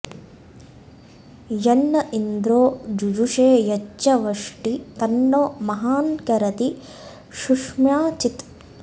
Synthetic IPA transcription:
jɐnːɐʔind̪ɾoːd͡ʒud͡ʒuʂeːjɐt͡ʃːɐʋɐʂʈit̪ɐnɖoːmɐɦaːnkɐɾɐt̪i | ʃuʂmjaːt͡ʃit̪

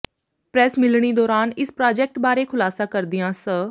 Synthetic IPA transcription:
pɾɛsmɪlɽ̃id̪ɔːɾaːnɪspɾaːd͡ʒek̚ʈbaːɾekʰʊlaːsakɐɾd̪ijãsə

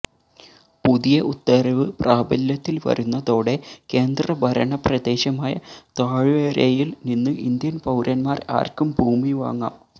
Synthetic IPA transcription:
puðijɐʔut̪ːɐɾɐʋɨpraːbɐljɐt̪ːilʋɐ̰ɾunːɐðo̞ːɽe̞ke̞ːnd̪rɐbʱɐɾɐɳɐprɐd̪e̞ːɕɐmaːjɐ̰t̪aːɻɨʋeːɾejilninːɨʔind̪jɐnpɐwɾʔɐnmaːra̰ːrkumbʱuːmiʋa̰ːŋːa̰ːm

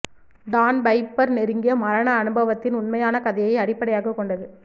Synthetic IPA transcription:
d̪aːnbɐɪpːɐɾnɛɾɯŋɡɪjɐmɐɾɐnɐːnɯbɐʋɐt̪ːɪnʊnmɐjaːnɐkɐðɐjɐɪɐɽɪpːɐɽɐjaːɣɐkːɔɳɖɐðɯ

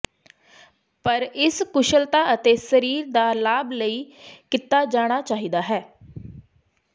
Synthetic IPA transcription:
pəɾɪskʊʃəlt̪aːət̪eːsəɾiːɾd̪aːlaːbləiːkɪt̪ːaːd͡ʒaːɽ̃aːt͡ʃaːɦiːd̪aːɦɛː

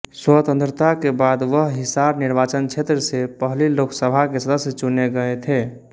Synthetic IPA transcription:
swət̪ə̃nt̪ɾət̪akebad̪ʋəɦɦisabniɾbat͡ʃənt͡ʃʰet̪ɾəsepəɦliloksəbʱakesəd̪əsjət͡ʃuneɡəɛt̪ʰe

